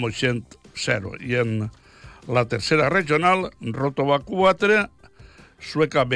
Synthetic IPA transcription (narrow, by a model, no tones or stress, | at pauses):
moʃent̪sɛɾo̰jen | lat̪eɾseɾareʒjonalrot̪oβakuat̪ɾe | swekaβe